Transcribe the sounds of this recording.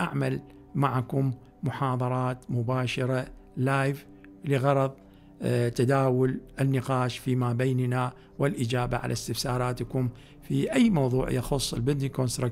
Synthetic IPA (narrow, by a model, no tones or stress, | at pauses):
ʔaʕmal | maʕakʊmː | ʊħɑːðˤɑɾˤɑːt̪mʊbaːʃɑɾalaːjv | lɪɣɑɾˤɑðˤ | t̪ad̪aːwʊlʔɪnːɪqɑːʃfimaːbejːnna | wɪlʔɪd͡ʒaːba̰ʕa̰lʔa̰st̪ɪfsɑːɾˤɑːt̪kʊm | fiʔajːmɑwðˤṵːʕjɑxʊsˤːɪlbɪd̪nikoːnst̪ɾak